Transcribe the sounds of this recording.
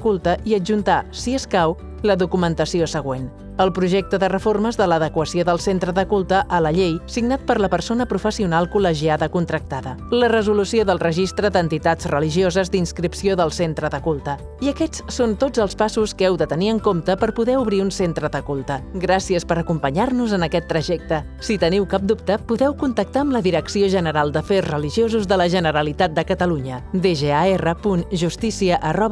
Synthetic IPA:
kulˠt̪əʔiəd͡ʒunt̪asiəskaw | ləðukumənt̪əsiosəɣ̞wen | əlˠpɾuʒɛk̚t̪əðərəforməzðələðəkwəsioðəlˠsent̪ɾəðəkulˠt̪əʔələʎejsiɡnat̪̚pəɾləpəɾsonəpɾufəsiunalˠkuləʒiaðəkunt̪ɾək̚t̪aðə | lərəzulusioðəlˠrəʒist̪ɾəðənt̪it̪ad͡zrəliʒiozəzd̪inskɾipsioðəlˠsent̪ɾəðəkulˠt̪ə | iəkɛt͡ssont̪od͡zəlˠspasuskɛwðət̪əniəŋkomt̪əpəɾpuðɛuβɾiunsent̪ɾəðəkulˠt̪əɡɾasiəspəɾəkumpəɲaɾnuzənəkɛt̪ːɾəʒɛk̚t̪ə | sit̪əniwkap̚d̪up̚t̪əpuðɛwkunt̪ək̚t̪aəmləðiɾəksioʒənəɾalˠd̪əfezrəliʒiozuzðələʒənəɾəlit̪at̪̚d̪əkət̪əluɲəd̪eʒeaerəpunʒust̪isiəʔərɔβ

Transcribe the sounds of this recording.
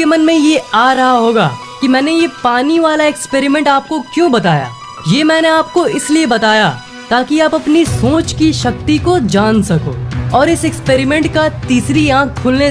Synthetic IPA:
emɐnmẽjeaːɾɐɦaɦoːɡaː | kimɛ̃ːnejepaːniʋaːlaekspeːɾɪmɛ̃ɳʈaːp̚kokjõːbɐt̪aːja̰ː | jeːmɛ̃ːneaːp̚koɪsliebɐt̪aːja | t̪aːkiaːpɐpnisoːt͡ʃkiʃɐkt̪ikod͡ʒaːnsɐko̰ːɔːɾɪsɛkspeːɾɪmɛ̃ːɳʈkat̪iːsɾiãːk̚ʰkʰʊːlne

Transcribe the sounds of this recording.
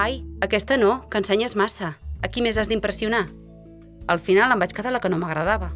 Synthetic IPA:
ajəkɛst̪ənokənsɛɲəzmasəəkimezazd̪impɾəsiuna | əlˠfinalˠəmbat͡ʃkəðaləkənoməɣɾəðaβə

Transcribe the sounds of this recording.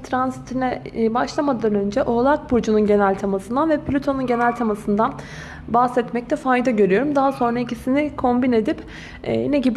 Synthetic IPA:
t̪ʰɾanzit̪ʰinɛbaʃlˠamad̪anø̞nd͡ʒɛʔo̞ːlˠak̚bud͡ʒununɟe̞nælʲt̪ʰamasɯnd̪anvɛpʰlʲut̪ʰo̞nunɟe̞nælʲt̪ʰamasɯnd̪an | bahsɛt̪mɛc̚t̪ʰɛfajd̪aɟø̞ɾyjo̞ɾumd̪aɦaso̞nɾaicisinikʰo̞mbine̞d̪ipː | inɛɟib

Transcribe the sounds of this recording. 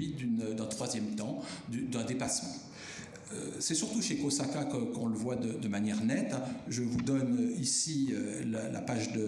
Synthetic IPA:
id̪ynd̪ɛ̃t̪χwazjɛmt̪ɑ̃d̪yd̪ɛ̃d̪epasmɑ̃ | ø̰sɛsyʁt̪uʃekosakakkɔ̃ləvwad̪əd̪əmanjɛʁnɛt̪ʒəvud̪ɔnøisiø | lalʔa̰paʒd̪ə

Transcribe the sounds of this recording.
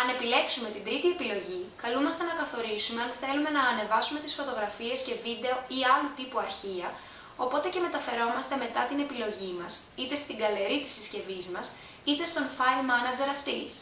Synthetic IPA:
ɐne̞pile̞ksume̞t̪ind̪ɾit̪ie̞pilo̞ʝikɐlumɐst̪enɐkɐθo̞ɾisume̞ɐnθe̞lume̞nɐːne̞vɐsume̞t̪isfo̞t̪o̞ɣɾɐfie̞sce̞vid̪e̞o̞iɐlut̪ipuɐɾçiɐ | o̞po̞t̪e̞ceme̞t̪ɐfe̞ɾo̞mɐst̪e̞me̞t̪ɐt̪ine̞pilo̞ʝimɐsit̪e̞st̪iɡɐle̞ɾit̪i̥sisce̞vizmɐs | it̪e̞st̪o̞nfɐjlmɐnɐd͡ze̞ɾɐft̪is

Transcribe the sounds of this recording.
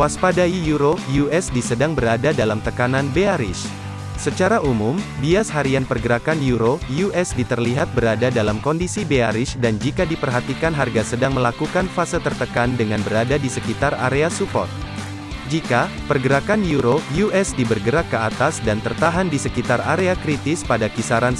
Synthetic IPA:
waspadaijuɾojuɛsdisədaŋbəɾadadalamt̪əkananbeaɾɪ̰s | sət͡ʃaɾaʔumumbiashaɾianpərɡəɾakanjuɾojuɛsdit̪ərliɦat̪̚bəɾadadalamkɔndisibeaɾɪsdand͡ʒikadipərɦat̪ikanɦarɡasədaŋməlakukanfasət̪ərt̪əkandəŋanbəɾadadisəkit̪ara̰ɾeasupɔ̰rt̪̚ | d͡ʒika | pərɡəɾakanjuɾojuʔɛsdibərɡəɾakkːəat̪asdant̪ərt̪aɦandisəkit̪araɾeakɾit̪ɪspadakisaɾan

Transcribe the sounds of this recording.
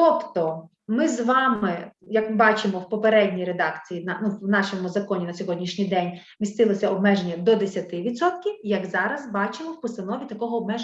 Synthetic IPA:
t̪ɔpt̪ɔ | mɪzʋɑmɪjɐkmɪbɑt͡ʃɪmɔwpɔpeɾɛdʲnʲijɾed̪ɑkt͡sʲijinɐnunɑʃɔmʊzɐkɔnʲinɐsʲɔɦɔdʲnʲiʃnʲijd̪ɛnʲ | mʲist̪ɪlˠɔsʲɐɔbmɛʒenʲːɐd̪ɔd̪esʲɐt̪ɪʋʲit̪sɔt̪kʲiwjɐɡzɑɾɐzbɑt͡ʃemɔwpɔst̪ɐnɔʋʲit̪ɐkɔɦɔːbmɛʒ

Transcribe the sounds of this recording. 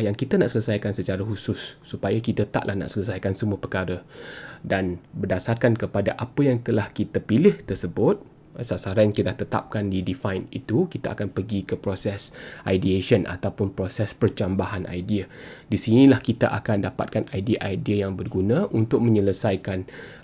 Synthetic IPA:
jaŋkit̪anaʔsələsajkansət͡ʃaɾahusʊsːupajakit̪ət̪a̰ʔlʔahna̰ʔsələs̬ajkansəmuəpərkaɾədanbərdasarkankəpadaʔapəjaŋt̪əlahkit̪apilɪht̪ərsəbʊt̪̚ | sasaɾaaŋkit̪laht̪ət̪a̰p̚kandidifajnḭt̪ukit̪aʔakanpəɡikəpɾosɛsʔajdieʃənʔa̰t̪awpʊnpɾosɛspərt͡ʃambaɦanʔa̰jdiadisinĩlahkit̪aʔa̰kandapa̰t̪̚kanajdiaʔajdiajaŋbərɡunãʔunt̪ʊk̚mə̃ɲələsajkan

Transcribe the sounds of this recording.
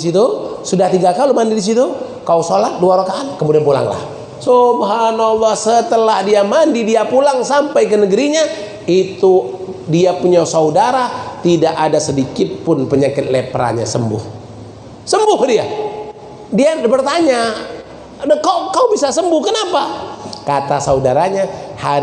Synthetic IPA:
sit̪usudaht̪iɡakalumandidis̬it̪u | kausolat̪̚duaɾokaːnkəmudianpula̰ŋla̰h | sobaɦanalˠːɔhsət̪əlahdiamandidiapulaŋsampajkənəɡəɾiɲa | it̪udiapuɲasaudaɾat̪idaʔadasədikɪt̪̚pʊnpəɲakɪt̪̚lepɾa̰ɲa̰səmbʊ̰h | səmbʊhdia | diabərt̪aɲa | əkakaubisasəmbʊhkənapakat̪asaudaɾaɲaha

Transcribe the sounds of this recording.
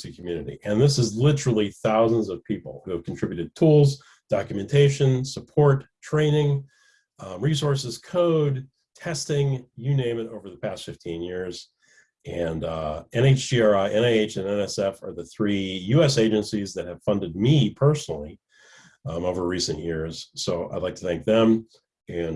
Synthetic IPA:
sikʰmjʉnɨɾḭʔɨ̃nðɪsɨzlɪɾə˞l̩ˠiθaʊzə̃nzʌv̥pʰipl̩ˠhʉɨv̥kʰntʰɹ̥ɪbjʉɾɨd̚tʰulˠz | d̥ɑkjɨmɨ̃ntʰeɪʃɨ̃nsəpʰɔɹtʰɹ̥ẽɪ̃nɪ̃ŋ | ɹis̬ɔɹsɨz̥kʰoʊd̚ | tʰɛstɪ̃ŋjɨnẽɪ̃mɨ̃ɾoʊvə˞ðəpʰæstfɪftʰĩnjɪɹz | ɨ̃nɛ̃neɪt͡ʃdiɑɹaɪʔɛ̃ñeɪeɪt͡ʃɨ̃nɛ̃nɛsɛfə̰˞ðɨθɹijʉɛseɪd͡ʒɨ̃nsizðɨt̚hɨv̥fʌ̃ndɨd̚mipʰɜ˞snl̩ˠi | oʊvə˞ɹisɨ̃nʔjɪɹz̥soʊʔa̰ɪdˡlaɪk̚tʰɨθæ̃ŋk̚ðə̃m | ɨ̃n

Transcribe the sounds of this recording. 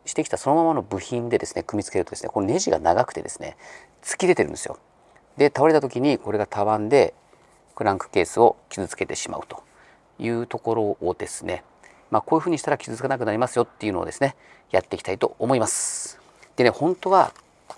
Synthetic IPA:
ɕi̥t̪e̞kʲi̥t̪aso̞no̞mamano̞bɯ̟çĩnd̪e̞d̪e̞sɨne̞kɯ̟mʲit͡sɨ̥ke̞ɾɯt̪od̪esɨnekoo̞ne̞ʑiɡa̰naɡakɯ̥t̪ed̪e̞sɨ̥ne̞̰ | t͡sɨ̥kʲid̪e̞t̪e̞ɾɯ̟̃nd̪esɨjo̰ | d̪e̞t̪aβaɾe̞t̪at̪o̞kʲiɲ̟iko̞ɾe̞ɡat̪ʰaβãnd̪e̞ | pɯ̟ɾãŋkɯ̟̥ke̞ːsɨo̞kʲizɨt͡sɨ̥ke̞t̪e̞ɕima̰ɯ̟t̪o̞̥ | jɯ̟ːt̪o̞ko̞ɾo̞ːd̪e̞sɨ̥ne̞ | maːkoːjɯ̟ɸɯ̟ːɲ̟iɕi̥t̪aɾakʲi̥zɨt͡sɨ̥kanak̬ɯ̟naɾʲimasɨjo̞t̪ːe̞iɯ̟no̞̰e̞sɨnejat̪ːe̞ikʲi̥t̪ait̪o̞̰omo̞imasɨ̥ | d̪̥e̞nehõ̞nt̪o̞βa

